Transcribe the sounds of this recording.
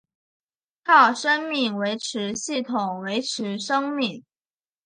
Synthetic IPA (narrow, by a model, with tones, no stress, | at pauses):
kʰɑ˥˩ʊʂə˥nmi˥˩ŋwe˧˥ɪʈ͡ʂʰɻ̩˧˥ɕi˥˩t̪ʰʊ˨˩ŋwe˧˥ɪʈ͡ʂʰɻ̩˧˥ʂɤ˥ŋmi˥˩ŋ